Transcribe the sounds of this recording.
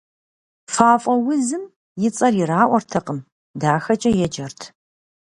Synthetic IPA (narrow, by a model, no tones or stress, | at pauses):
faːfʼɔwʊzɨm | jɪt͡sʼɐrjɪraːʔʷɔrtʰɐqəm | daːxɐt͡ʃʼɐjɛd͡ʒɐrtʰ